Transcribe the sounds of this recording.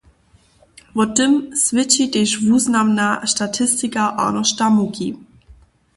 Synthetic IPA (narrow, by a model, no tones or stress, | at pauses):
vɔtɪmsvɪt͡ʃiteʃvuːznamnaʃtatʰɪstɪkaʔa̰nɔʃtamuki